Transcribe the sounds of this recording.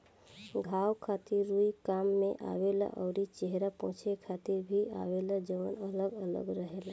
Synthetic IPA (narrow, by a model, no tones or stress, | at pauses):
ɡʱaːwkʰaːt̪iɾːuikaːmːẽʔa̰ːʋela̰ʔɔːɾit͡ʃeɦɾapɔ̃ːt͡ʃʰekʰaːt̪ɪɾbʱia̰ːʋelad͡ʒəʋə̰nələɡələ̰ɡɾəɦela